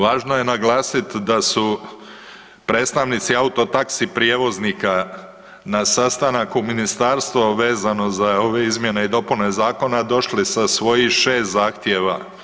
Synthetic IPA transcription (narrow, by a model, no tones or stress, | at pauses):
ʋaːʒnoje̞naɡlaːsit̪d̪asu | pɾe̞ːt̪st̪aʋnit̪siaut̪o̞t̪aksipɾijeʋo̞znika | nasast̪anakuminist̪aɾst̪ʋoʋe̞ːzano̞zao̞ʋe̞izmje̞ne̞id̪o̞pune̞zaːko̞nad̪o̞ʃlisasʋo̞jiʃe̞ːst̪zaːxt̪jeʋa